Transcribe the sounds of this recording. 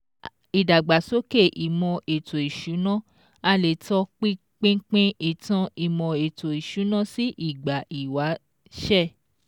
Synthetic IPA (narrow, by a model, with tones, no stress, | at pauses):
i˨da˨ɡ͡ba˨so˦ke˦˨ʔi˨mɔ̃˧ʔe˨to˨i˨ʃu˨˦nã˦˨ | a˧le˨tɔ˧˦k͡pi˦ | k͡pẽ˦k͡pẽ˦i˨tã˧i˨mɔ̃˧e˨to˨i˨ʃu˨˦nã˦˨si˦ʔi˦˨ɡ͡ba˨ʔi˨wa˨˦ | ʃɛ˦˨